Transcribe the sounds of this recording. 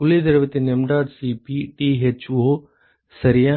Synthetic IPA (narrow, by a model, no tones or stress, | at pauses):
ʊled̪ɐɾʋet̪enemɖaːd̪sipiʈiːɦet͡ʃuɦo | sɐɾijã